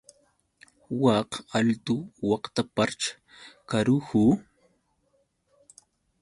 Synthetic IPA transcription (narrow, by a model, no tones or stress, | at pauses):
wɑqalt̪ʊwɑqt̪apaɾt͡ʃḁ | kaɾuhu